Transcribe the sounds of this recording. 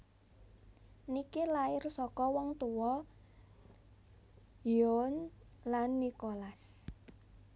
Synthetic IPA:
nikilaɪrsɔkɔwɔŋt̪uwɔ | jonlanːikolas

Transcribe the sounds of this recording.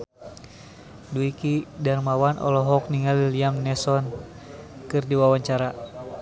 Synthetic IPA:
duikidarmawanʔɔ̰lɔɦɔk̚niŋaliliamnɛsɔn | kɨrdiwawaɲt͡ʃaɾa

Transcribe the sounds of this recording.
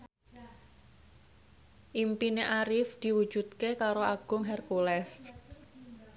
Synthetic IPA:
ʔimpineʔaɾɪfd̪̥i̤wud̥ʒ̥ud̪̚kekaɾoaɡ̥ʊ̤ŋɦɛrkulɛs

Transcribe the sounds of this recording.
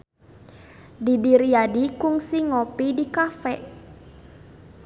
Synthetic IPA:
didiɾiadikuŋsiŋɔpidikafɛʔ

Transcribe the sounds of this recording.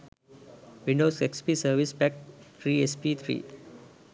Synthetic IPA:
ʋĩɳɖoːsekspiːsəɾʋispɛk̚t̪ʰɾiːespit̪ʰɾḭː

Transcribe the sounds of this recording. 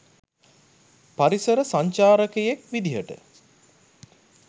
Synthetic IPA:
paɾisəɾəsaɲt͡ʃaːɾəkejekʋid̪iɦəʈə̰

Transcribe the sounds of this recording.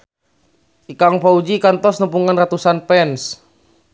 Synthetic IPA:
ikaŋpaud͡ʒikant̪ɔsnupuŋanrat̪usanpɛns

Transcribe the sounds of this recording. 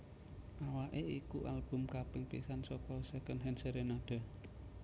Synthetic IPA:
ʔawaʔeikuʔalb̥ʊ̤mkab̥ɪŋpḭsansɔkɔsəkənɦɛnsəɾenaɖ̥a̤

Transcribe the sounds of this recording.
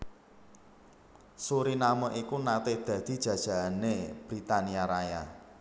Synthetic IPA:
suɾinaməʔikunat̪ehd̪̥ä̤d̪̥i̤d̥ʒ̥ä̤d̥ʒ̥a̤aneb̥ɾit̪aniaɾaja

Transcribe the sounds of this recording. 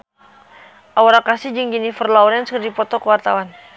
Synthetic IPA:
ʔawaɾakasɪhd͡ʒɨŋd͡ʒinifərlaɔɾɛnskərdipɔt̪ɔkəwart̪awan

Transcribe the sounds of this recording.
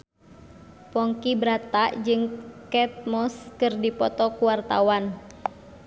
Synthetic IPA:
pɔŋkibɾat̪aʔd͡ʒɨŋkɛt̪̚mɔskɨrdipɔt̪ɔkuwart̪a̰wan

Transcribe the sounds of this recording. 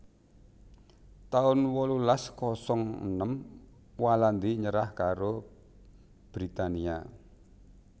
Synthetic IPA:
t̪aʊnwɔlulaskɔsɔŋə̰nəm | waland̪iɲəɾahkaɾo | b̥ɾit̪ania̰

